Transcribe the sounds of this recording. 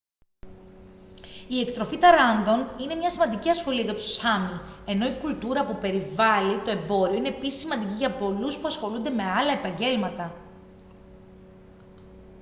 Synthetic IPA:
ie̞kt̪ɾo̞fit̪ɐɾɐnðo̞nine̞mɲɐsimɐnd̪iciɐsxo̞liɐʝɐt̪u̥sɐmie̞no̞ikult̪uɾɐpupe̞ɾivɐlit̪o̞e̞bo̞ɾio̞ine̞ːpisisimɐnd̪iciʝɐpo̞luspuɐsxo̞lund̪e̞me̞ɐlɐe̞pɐɲɟe̞lmɐt̪ɐ

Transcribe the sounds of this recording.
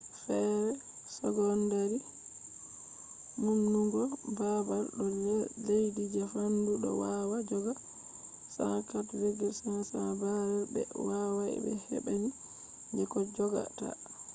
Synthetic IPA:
fɛɾɛ | sɔɡɔndaɾi | munːuŋɡɔbabalɗɔlejdid͡ʒahanduɗɔ̰wawad͡ʒɔɡa | sakatweɡɛɾsanasabaɾɛbɛ̰wawaɛ̰bɛ̰hɛ̰ɓaɲi | d͡ʒɛkɔd͡ʒɔɡa̰ta̰

